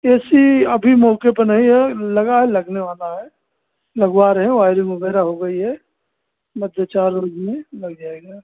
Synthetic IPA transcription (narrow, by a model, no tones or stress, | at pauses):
eːsiəbʱimɔːkepənəɦĩɦɛləɡaɦɛləɡneʋaːlaɦɛ | ləɡwaɾɦɛ̃waːɪɾɪŋobʱeɾaɦoɡəiɦɛ | məd̪ʱjat͡ʃaːɾːoːd͡ʒmẽləɡd͡ʒaːeɡaː